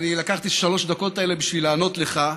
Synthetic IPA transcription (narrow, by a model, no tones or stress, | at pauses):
nilakaχt̪iʃalo̞ʃd̪ako̞t̪aele̞biʃvilaːno̞t̪le̞χa